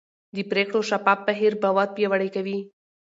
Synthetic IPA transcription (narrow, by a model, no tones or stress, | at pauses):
d̪əpɾekɽoʃapap̚baɦiɾbawɑt̪̚pjawaɽəjkawi